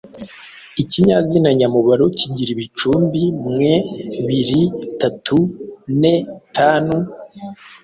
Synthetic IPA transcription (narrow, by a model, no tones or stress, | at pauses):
iciɲazinaɲamuβaɾociɟiɾiβit͡ʃuːmbimŋe̞βiɾitatʰune̞tʰaːnu